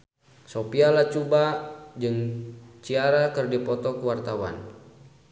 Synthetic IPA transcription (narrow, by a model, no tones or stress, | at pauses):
sopialat͡ʃubad͡ʒɨŋt͡ʃiaɾakɨrdipɔt̪ɔkuwart̪awa̰n